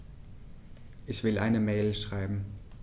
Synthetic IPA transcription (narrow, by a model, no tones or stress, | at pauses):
ʔɛçv̥ɪlʔa̰ɪnəmeːlʃʁ̥aɪbm̩